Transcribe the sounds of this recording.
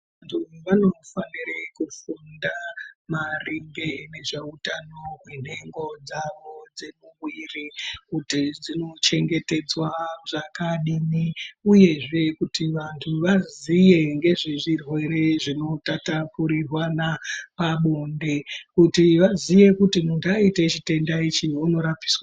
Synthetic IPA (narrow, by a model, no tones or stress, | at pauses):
antʰuʋano̞fanirekufundamariŋɡene̞ʐeutano̞ɦwen̤e̞ŋɡo̞d͡zaʋo̞d͡ze̞muɣwirikutid͡zino̞t͡ʃe̞ŋɡe̞te̞d͡zwaʐakaɗimiuje̞ʐe̞kutiʋantʰuʋazije̞ŋɡe̞ʐiʐirwe̞ɾe̞ʐino̞tatapuɾirwanapaɓonde̞kutiʋazije̞kutimuntaitet͡ʃite̞ndait͡ʃiuno̞ɾap͡fi̥swa